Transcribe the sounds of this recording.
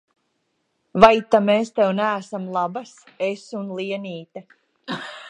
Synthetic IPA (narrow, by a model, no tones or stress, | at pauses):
vajt̪ameːst̪ɛwnæːsamlˠabas | esunlˠiɛniːt̪a